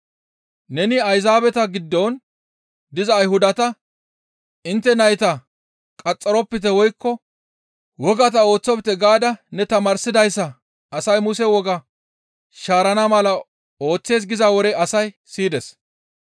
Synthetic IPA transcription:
nɛnɪɐjzaːbɛt̪ɐɡɪd̪ːɔːn | d̪ɪzɐːjhʊd̪ɐt̪ɐ | ɪnt̪ːɛnɐjt̪ɐ | kʼɐt͡sʼːɐɾɔpːɪt̪ɛwɔjkːɔ | wɔɡɐt̪ɐo̞ːt͡sːɔpt̪ːɛɡaːd̪ɐnɛt̪ɐmaːɾsɪd̪ɐjsːɐ | ɐsɐjmʊsɛwɔɡɐ | ʃaːɾɐnɐmɐlɐ | o̞ːt͡sːe̞ːs̬ɡɪzawɔɾɛɐsɐj | siːd̪ɛs

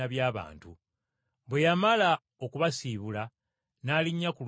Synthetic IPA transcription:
aβjaːβa̰ːntu | βwe̞jamala | o̞kuβasiːβula | naːliɲːakul

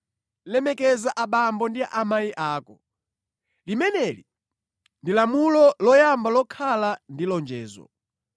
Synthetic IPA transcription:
lɛmɛkɛzaʔaɓambɔndiaʔamajiʔaːkɔ | limɛnɛli | ndilamulɔlɔjambalɔkʰalandilɔnd͡ʒɛːzɔ̰

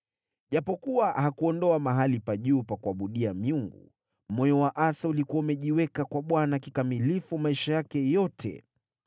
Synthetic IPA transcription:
ʄapɔkuwahakuɔndɔamaɦalipaʄuːpakuaɓuɗiamiuŋɡṵ | mɔjɔwaʔasaulikuwaumɛʄiwɛkakwaɓwanakikamilifumaiʃajakɛjɔtʰɛ̰

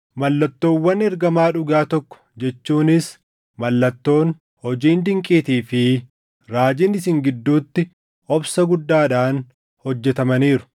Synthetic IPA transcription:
mɐlːɐt̪ːo̞ːwːɐnɛɾɡɐmaːᶑʊɡaːt̪ɔkːɔ̥d͡ʒɛt͡ʃːuːnɪs | mɐlːɐt̪ːo̞ːn | hɔd͡ʒiːnd̪ɪŋkʼiːt̪iːfɪ | ɾaːd͡ʒɪnɪsɪŋɡɪd̪ːuːt̪ːɪ | ɔbsɐɡʊd̪ːaːᶑaːn | hɔd͡ʒːɛt̪ɐmɐniːɾʊ̥

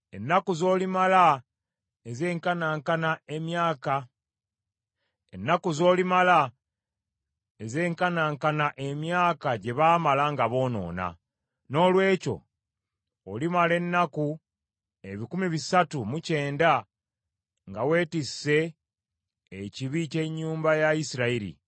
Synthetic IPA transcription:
e̞nːakuzo̞ːlimala | eze̞ːŋkanaːŋkanae̞mjaːka | e̞̰nːakuzo̞ːlimala | eze̞ːŋkanaːŋkanaʔe̞mjaːkaɟe̞βaːmalaŋɡaβo̞ːno̞̰ːna̰ | no̞ːlwe̞ːco̞̰ː | limale̞nːaku | e̞βikumiβisatumuce̞ːnda | ŋɡawe̞ːtise̞ | ciβice̞ɲːuːmbajaisiɾaiɾḭ

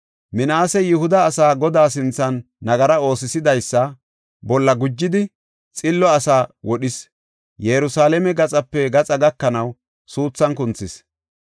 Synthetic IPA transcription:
mɪnaːsɛjʊhʊd̪ɐːsaːɡɔd̪aːs̬ɪnt͡sːɐnː | ɐɡɐɾɐo̞ːsɪsɪd̪ɐjsːɐ | bɔlːɐɡʊd͡ʒːɪd̪ɪ | t͡sʼɪlːɔɐsaːwɔɗɪs | jɛɾʊsaːlɛmɛɡɐt͡sʼɐpːɛɡɐt͡sʼɐɡɐkːɐnɐw | suːt͡sːɐnkʊnt͡sːɪs

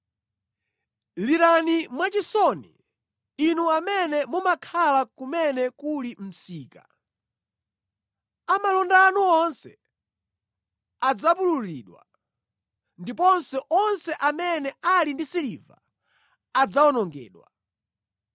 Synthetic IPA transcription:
liɾanimwat͡ʃisɔnḭː | nuamɛnɛmumakʰalakumɛnɛkulim̩siːka | amalɔndanuɔnsɛ | ad͡zapululiːɗwa̰ | ndipɔnsɛʔɔnsɛʔamɛnɛalindisiliva̰ | ad͡zaɔnɔŋɡɛ̰ːɗwa̰

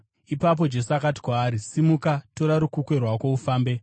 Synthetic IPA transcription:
ipap̬o̞d͡ʒe̞sakati̥kwaːɾisimukato̞ɾaɾukukwe̞rwakoufaːmbe̞

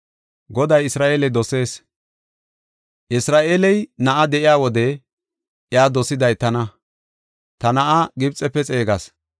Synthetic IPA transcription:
ɡɔd̪ɐjɪsɾaːʔeːlɛd̪ɔse̞ːs | ʔɪsɾaːʔeːlɛjnɐʔɐd̪ɛʔɪjaːwɔd̪ɛ | ʔjaːd̪ɔsɪd̪ɐjt̪ɐnɐ | t̪ɐnɐʔaɡɪbt͡sʼːɛpːɛt͡sʼe̞ːɡɐs

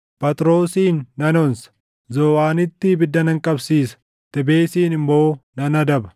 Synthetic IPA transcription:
pɐt̪ɾo̞ːsiːnːɐnɔnsɐ̥ | zoːwaːnɪt̪ːɪbɪd̪ːɐnɐŋkʼɐbsiːsɐ̥ | t̪ɛbe̞ːsiːnɪmbo̞ːnɐnɐd̪ɐbɐ̥

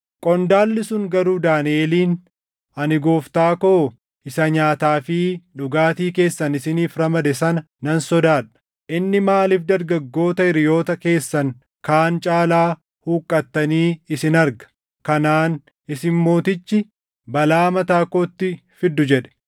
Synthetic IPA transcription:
kʼɔnd̪aːlːɪsʊŋɡɐɾuːd̪aːnɪeːliːn | ɐnɪɡo̞ːft̪aːkoː | ɪsɐɲaːt̪aːfɪᶑʊɡaːt̪iːke̞ːsːɐnɪsɪniːfɾɐmɐd̪ɛsɐnɐ | nɐnsɔd̪aːᶑɐ̥ | ʔɪnːɪmaːlifd̪ɐɾɡɐɡːo̞ːt̪ɐɪɾɪjo̞ːt̪ɐke̞ːsːɐŋ | kaːnt͡ʃʼaːlaː | huːkʼːɐt̪ːɐniːɪsɪnɐɾɡɐ̥ | kɐnaːn | ɪsɪnmo̞ːt̪ɪt͡ʃːɪ | bɐlaːmɐt̪aːkoːt̪ːɪfɪd̪ːʊd͡ʒɛᶑɛ̥

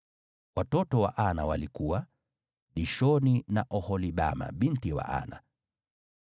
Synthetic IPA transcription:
watɔtɔwa̰ʔanawalikuwa | ɗiʃɔninaʔɔhɔliɓa̰ma̰ɓin̩tiwa̰ʔa̰na̰

